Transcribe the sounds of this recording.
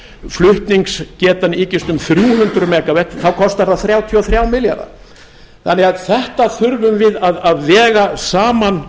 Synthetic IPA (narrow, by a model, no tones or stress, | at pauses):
flʏht̪niŋkscɛːt̪aniːcɪst̪ʏmθɾjuːɦʏnt̪ɾʏmɛːkavɛt̪θawkʰɔst̪aɾðaθɾjaːwt̪ʰiɔθɾjaːwmɪlja̰ɾa̰ | θanɛɣaðθɛht̪aθʏɾvʏmvɪðaðaðvɛːɣasaːman